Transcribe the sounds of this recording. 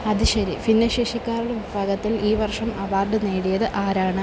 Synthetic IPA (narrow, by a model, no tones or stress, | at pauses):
ɐðɨɕɐɾifinːɐɕeːʂikʲːaːɾuɽeʋibʱaːɡɐt̪ːiliːʋɐrʂɐmɐʋaːrɖɨneːɽijɐðɨʔaːɾaːɳɨ